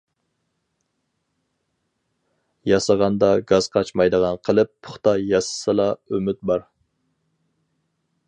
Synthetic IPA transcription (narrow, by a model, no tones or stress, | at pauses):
jɑsɑʁɑnd̪ɑɡɑz̥qʰɑt͡ʃmɑjd̪əʁɑnqʰəlˠɨpːʰʊ̥χt̪ɑjɑsɨ̥sɨlˠɑømyt̪̚bɑɾ